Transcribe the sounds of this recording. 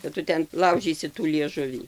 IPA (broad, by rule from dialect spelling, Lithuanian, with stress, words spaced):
kɐt ˈtʊ ˈtʲɛn ˈlˠɐʊʒʲiːsʲɪ tuː lʲiɛˈʒʊʋʲiː